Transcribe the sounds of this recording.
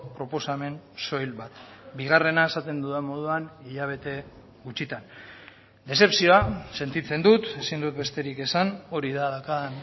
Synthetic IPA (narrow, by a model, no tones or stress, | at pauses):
pɾo̞po̞same̞nso̞jlβat̪biɣare̞naesat̪e̞nd̪uðemo̞ð̞uaniʎaβ̞e̞t̪e̞ | ɣut͡ʃit̪an | d̪e̞se̞psio̞ase̞nt̪it͡se̞nd̪ut̪e̞sind̪ut̪be̞st̪e̞ɾike̞sano̞ɾiðaðakan